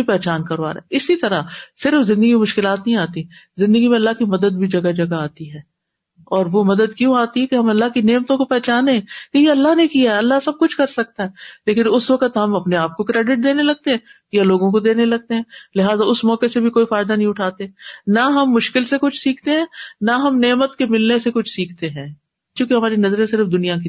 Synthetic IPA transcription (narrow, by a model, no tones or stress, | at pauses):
ipɛːt͡ʃaːnkɐɾʋa̰ːɾa̰ɪsit̪ɐɾasɪɾəfzɪ̃nd̪əɡimemʊʃkɪlaːt̪nɐɦĩaːt̪i | zɪ̃nd̪əɡimẽɐlːaɦkimɐd̪əd̪̚bʱid͡ʒɐɡad͡ʒɐɡaaːt̪iɦɛː | ɔːɾʋomɐd̪əd̪̚kjũaːt̪iɦɛkeɦɐmɐlːaɦkineːmt̪õkopɛːt͡ʃaːneɛ̃kejeɐlːaɦnekijaɦɛɐlːasɐb̚kʊt͡ʃʰkɐɾsɐk̚t̪aɦɛːleːkɪnʊsʋɐkət̪ɦɐmɐpneaːp̚kokɾeːɖɪʈ̚d̪eːnelɐɡ̚t̪eɦɛ̃ː | jaloːɡõk̬od̪eːnelɐɡ̚t̪eɦɛ̃ːlɪɦaːzaʊsmɔːkesebʱikoːifaːɪd̪anɐɦĩʊʈʰaːt̪eɦɛnaɦɐmːʊʃkɪlsekʊt͡ʃʰsiːkʰt̪eɦɛ̃ːnaɦɐmneːmət̪kemɪlnesekʊt͡ʃʰsiːkʰt̪eɦɛ̃ː | kjũːkeɦɐmaːɾinɐzɾẽsɪɾəfd̪ʊnijaki